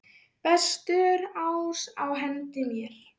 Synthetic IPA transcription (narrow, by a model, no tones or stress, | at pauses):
pɛst̪ʏɾawsawɦɛnt̪ɪmjɛɾ̥